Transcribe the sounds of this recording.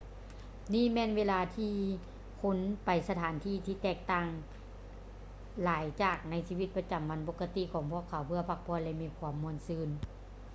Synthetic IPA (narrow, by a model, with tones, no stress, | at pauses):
niː˧˥˨mɛː˧˨nweː˧˥˨laː˧t̪ʰiː˧ | kʰo˧˥˨npa˨jsa˧t̪ʰaː˨˦nt̪ʰiː˧˨t̪ʰiː˧˨t̪ɛː˧˩k̚t̪aː˧˩ŋ | laː˨˦jt͡ɕaː˨˩k̚na˧˥jsiː˧˩wi˧˩t̪̚pa˧t͡ɕa˨˩mːa˧˥˨nbo˧˥kʰːa˧t̪i˧˨kʰɔː˨˦ŋpʰu˧˨əkʰːa˨˩˦wpʰɯ˧ɐpʰa˧˩k̚pʰɔː˧əlɛ˧miː˧˥˨kʰwuː˧˦mːu˧˨ənsɯː˧˩n